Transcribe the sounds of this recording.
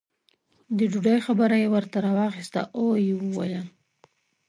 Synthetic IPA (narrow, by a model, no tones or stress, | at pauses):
d̪əd͡ʒuɖajxabəɾajewəɾt̪aɾɑwɑxist̪a̰ʔojewəwa̰ja